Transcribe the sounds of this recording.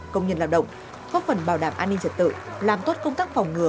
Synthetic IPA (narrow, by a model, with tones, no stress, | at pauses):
kə˧wŋ͡mɲə˧nlaː˧˩wɗə̰˧˨wŋ͡m | kɔ˨˦˥fə˨˩nɓaː˧˩wɗaː˧˩mʔaː˧nːi˧ŋt͡ɕə˨˩t̚t̪ɨ̰˧˨laː˨˩mt̪o˦˥t̚kə˧wŋ͡mt̪aː˦˥k̚fa˨˩wŋ͡mŋɨ˨˩˦ə